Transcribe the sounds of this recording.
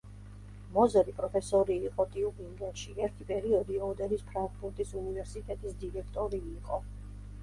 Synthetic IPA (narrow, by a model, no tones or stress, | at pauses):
mɔzɛɾipʼɾɔpʰɛsɔɾiːqʼɔt̪ʼiupʼiŋɡɛnʃiɛɾt̪ʰipʼɛɾiɔd̪iɔd̪ɛɾispʰɾaŋɡʼbuɾt̪ʼisunivɛɾsit̪ʼɛt̪ʼisd̪iɾɛkʰt̪ʼɔɾiːqʼɔ